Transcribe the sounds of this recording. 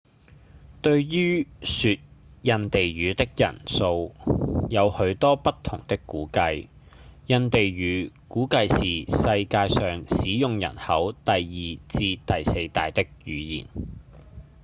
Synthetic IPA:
t̪ɵ˧ɥɥyː˥syː˧t̚jɐ˧nt̪e˨jɥyː˨˧t̪ɪ˥k̚jɐ̰˨˩nso˧wjɐ˨˧whɵ˨˥ɥt̪ɔː˥pɐ˥tt̪ʰʊ˨˩ŋt̪ɪ˥kːuː˨˥kɐ˧j | jɐ˧nt̪e˨jɥyː˨˧˥kuː˨˥kɐ˧jsiː˨˩sɐ˧jkaː˧jsœː˨ŋsiː˨˥jʊ˨ŋjɐ̰˨˩nhɐ˨˥wt̪ɐ˨jjiː˨˩t͡siː˧t̪ɐ˨jse˧jt̪a̰ː˨jt̪ɪ˥k̚jyː˨˧jḭː˨˩n

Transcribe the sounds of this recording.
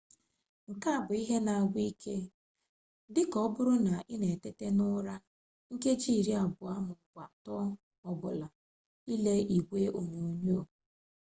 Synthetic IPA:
ŋ̩˨ka˦˨bʊ˨i˦ɦe˦na˨a˨ɡʷi˦kʰe˦ | dɪ˦kɔ˦bʊ˦ɾʊ˦na˨ʔɪ˦ne˨te˦te˦nʊ˦ɾa˦ | ŋ̩˦ke˦d͡ʒi˦˨ɾi˦a˨bʊ˨a˦mʊ˨kʷa˨tɔ˦ | ɔ˨bʊ˨la˨ | i˦le˦i˨ɡʷe˦ʔo˨ɲo˨o˨ɲo˦˨

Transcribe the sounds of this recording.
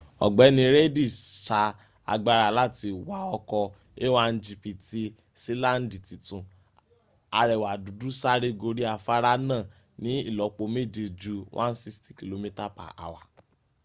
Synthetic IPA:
ɔ̰˨ɡ͡bɛ˨˦nĩ˧ɾe˦di˦˨ʃa˧ | a̰˧ɡ͡ba˧ɾa˨la˦˨ti˧wa˨˦ɔ˧kɔ˧ | e˦wa˦n̩˦d͡ʒi˧pi˨ti˦ | se˦lã˦n̩˦di˨ti˨tũ˨ | a˧ɾɛ˨wa˨du˨du˦sa˦ɾe˦ɡo˧ɾi˦a˧fa˦ɾa˦nã˦˨ | nĩ˨˦i˦˨lɔ˨˦k͡po˧me˦˨d͡ʒe˧d͡ʒu˦wʔã̰˦n̩˦si˦sti̥˦ki˨lo˧mĩ˦ta˦pa̰˨ʔa̰˨wa̰˨

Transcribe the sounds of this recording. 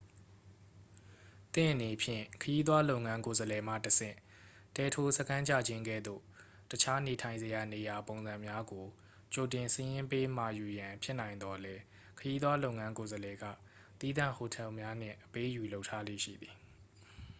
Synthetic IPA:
t̪ɪ̰̃˦˨ʔə˨ne˨pʰjɪ̰̃˦˨kʰəji˦t̪̬wa˦lo˦ʊŋã˦ŋko˨zəlɛ˨m̥ä̰˦˨təsɪ̰̃˦˨ | tɛ˨tʰo˦səkʰã˦ɲt͡ɕa̰˦˨d͡ʑɪ̃˦ŋɡɛ̰˦˨d̪o̰˦˨ | tət͡ɕʰa˦ne˨tʰã˨ɪ̃nzəja˨ne˨ja˨põ˨ʊ̃nzã˨mja˦ɡo˨ | t͡ɕo˨tɪ̃˨nsəjɪ̃˦mpe˦m̥a̰˨ju˨jã˨pʰjɪ˦nã˨ɪ̃nd̪ɔ˨lɛ˦ | kʰəji˦t̪wa˦lo˦ʊʔŋã˦ŋko˨zəlɛ˨ɡä̰˦˨ | t̪i˦d̪ã̰˦˨ho˨tʰɛ˦˨ʔmja˦n̥ɪ̰̃˦˨ʔəpe˦ju˨lo˦ʊʔtʰːa˦lḛ˦˨ʃḭ˦˨d̪i˨

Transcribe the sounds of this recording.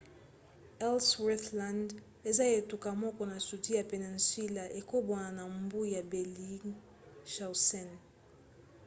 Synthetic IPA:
ɛ˦lswɛ˦θla˨nd | e˨za˦e˨tu˨ka˨mɔ˦kɔ˨na˨su˨ti˦ja˨pe˨ni˨n̩swi˦la˨ʔe˨ko˦bɔ˨na˨na˨mbu˦˨ja˨bɛ˨li˦ | ʃa˨wsɛ˦˨n

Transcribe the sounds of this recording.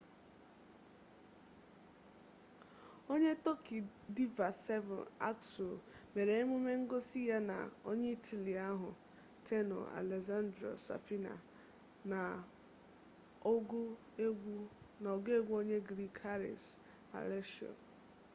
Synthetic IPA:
o˦ɲe˦to˦ki˨ | di˦va˨sɛ˦vɔ̰˨na̰˦kso˨me˨ɾe˨e˦m˦ʊ˦me˦ŋ̩˦ɡo˦si˦ja˦na̰˨o˦ɲe˦i˦tʰi˨li˨a˦ɦʊ˨ | tʰe˦nɔ̰˨a̰˨le˨za˦ndɾo̰˨sa̰˨fi˦na̰˨ | na˨ | o˦ɡ | nɔ˨ɡe˦ɡʷu˦o˦ɲe˦ɡɾi˦kʰa˦ɾɪ̰˨s | a̰˨le˦ʃo̰˨

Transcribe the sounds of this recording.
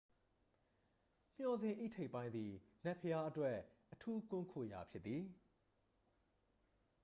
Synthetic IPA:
m̥jɔ˨zɪ̃˨ʔḭ˦˨tʰe˦ɪʔpːã˦ɪ̃nd̪i˨nɛ˦ʔpʰəja˦ʔətwɛ˦ʔːətʰu˦kʊ̃˦ŋkʰo̰˦˨ja̰˨pʰjɪ˦t̪t̪ːi˨

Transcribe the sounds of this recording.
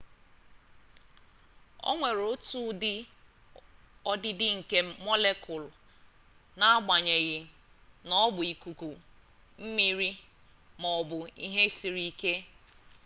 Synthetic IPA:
o̰˦ŋʷe˨ɾo˦tu˦dɪ˦ | ɔ˦dɪ˦dɪ˦ŋ̩˨ke˦mɔ˦le˦kʊ˨l | na˨a˦ɡ͡ba˨ɲe˨ɣɪ˨ | nɔ˦bʊ˨i˨ku˨ku˨ | m̩˦mi˨ɾi˦ | mɔ˨ɔ˨bʊ˨i˦ɦe˦si˨ɾi˦ke˦

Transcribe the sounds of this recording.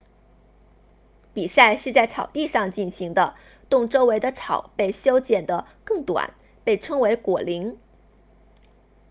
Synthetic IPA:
pi˨˩sa˥˧ɪʂɻ̩˥˧t͡sa˥˩ɪʈ͡ʂʰɑ˨˩ʊt̪i˥˧ʂɑ˥˧ŋt͡ɕi˥˩nɕi˧˥ŋd̪ə˧ | t̪ʊ˥˧ŋʈ͡ʂo˥ʊwe˧˥ɪd̪ə˧ʈ͡ʂʰɑ˨˩˦ʊpe˥˩ɪɕjo˥ʊt͡ɕjɛ˨˩nd̪ə˦ | kɤ˥˩ŋt̪wa̰˨˩˦n | pe˥˩ɪʈ͡ʂʰɤ˥ŋwe˧˥ɪkwɔ˨˩li˧˥ŋ

